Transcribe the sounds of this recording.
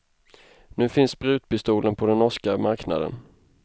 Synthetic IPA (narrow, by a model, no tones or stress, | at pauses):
nʉ̟ːfɪnsbɾʉ̟ːt̪̚pɪst̪uːlənpʰɔd̪ɛnɔʂkamaɾkna̰d̪ə̰n